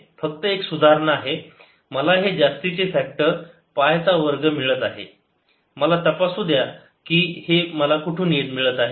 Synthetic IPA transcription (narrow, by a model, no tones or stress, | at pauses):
fəkt̪əeksud̪ʱaɾɳəaɦe | məlaɦed͡zast̪it͡sefɛk̚ʈəɾ | pajt͡saʋəɾɡəmiɭət̪aɦḛ | məlat̪əpasud̪ʱja | kiːheməlakuʈʰuːneʈmiɭət̪aɦe